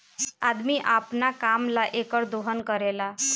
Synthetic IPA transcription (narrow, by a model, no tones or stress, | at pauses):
ad̪miʔapnakamlaʔekəɾd̪oɦənkəɾela